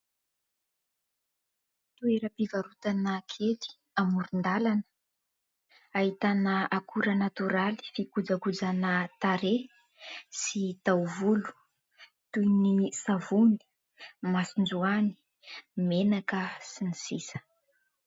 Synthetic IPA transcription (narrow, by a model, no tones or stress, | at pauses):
t̪ueɾəpivaɾut̪anəkʰet̪i̥ | amuɾund̪alanə̥ | aɦit̪anəakuɾənat̪uɾali̥fikud͡zakud͡zanət̪aɾe | sit̪awvulu̥ | t̪ujnisavuni̥ | masind͡zuani̥ | menakəsinisisə̥